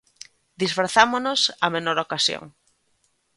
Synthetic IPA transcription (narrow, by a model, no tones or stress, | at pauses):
d̪isfɾaθamonosamenoɾokasjo̰ŋ